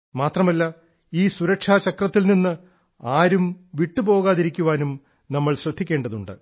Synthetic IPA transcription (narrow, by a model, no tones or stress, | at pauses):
maːt̪rɐmɐlːɐ | iːsuɾɐkʂaːt͡ɕɐkrɐt̪ːilninːɨ | aːɾumʋiʈːupo̞ːɣaːðiɾikʲːuʋaːnum | nɐmːɐɭɕrɐd̪ʱːikʲːe̞ːɳɖɐðuɳɖɨ̰